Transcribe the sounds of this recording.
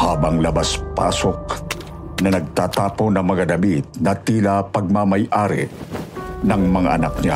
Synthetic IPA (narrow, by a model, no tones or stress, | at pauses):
haːbɐŋlɐbaspa̰ːsok̚ | nɐnɐɡ̚t̪aːt̪aːponɐŋmɐŋad̪ɐmit̪̚nɐt̪iːlapɐɡ̚mɐmɐjʔaːɾɪ̰ | nɐŋmɐŋa̰ʔɐnak̚nɪa̰